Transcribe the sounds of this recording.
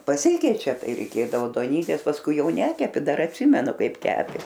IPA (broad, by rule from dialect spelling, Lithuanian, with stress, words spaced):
pɐˈsʲɪkʲɛɪt͡ʃʲɛ ˈtɐɪ rʲɛɪˈkʲeːdɐʋoː duɔˈnʲiːtʲeːs pɐsˈkʊɪ ˈjɛʊ ˈnʲæːkʲɛpʲɪ ˈdɐr ɐtʲˈsʲɪmʲɛnʊ ˈkɐɪp ˈkʲæːpʲeː